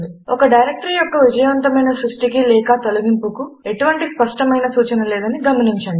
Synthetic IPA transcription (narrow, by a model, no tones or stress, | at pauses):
iɔkɐɖɐjɾek̚ʈɾijɔkːɐʋid͡ʒɐjɐʋɐnt̪ɐmɐjnɐsɾuʂʈik̬ilɛːkaːt̪oluɡimpukue̞ʈuʋɐɳʈispɐʂʈɐmɐjnɐsuːt͡ʃɐnɐlɛːd̪ɐniɡɐmɐniɲt͡ʃɐɳɖi